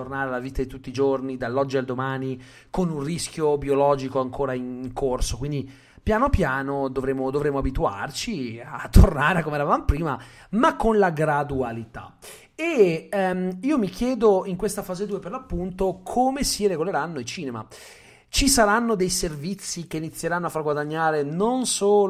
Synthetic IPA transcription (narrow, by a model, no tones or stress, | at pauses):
t̪ornaːɾealːaviːt̪ad̪it̪ut̪ːid͡ʒornid̪alːɔd͡ʒːiald̪omaːni | konunriskjobiolɔːd͡ʒikoaŋkʰoːɾaiŋŋkʰorsokwind̪i | pjaːnopjaːnod̪ovɾemːod̪ovɾemːoabit̪ua̰rt͡ʃiat̪ːornaːɾekomeɛɾavavamopɾiːmamakːonlaɡɾad̪ualit̪a̰ | e | iːomikjɛːd̪oiŋkwest̪afaːzed̪uːeperlapːunt̪okʰoːmesireɡoleɾanːoilt͡ʃiːnema̰ | t͡ʃisaɾanːod̪ejservit̪sːikeinit̪sːjeɾanːoafːarɡwad̪aɲːaːɾenonsoː